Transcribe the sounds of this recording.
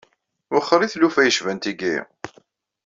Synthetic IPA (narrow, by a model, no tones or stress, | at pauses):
wəχːəɾiθlufæjəʃvænt̪iɡḭ